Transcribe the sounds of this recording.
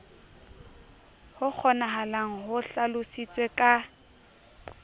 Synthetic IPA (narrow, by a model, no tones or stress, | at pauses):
hʊk͡xʰɔnaɦalaŋ̩ɦʊɬalʊsit͡sʼwekʼa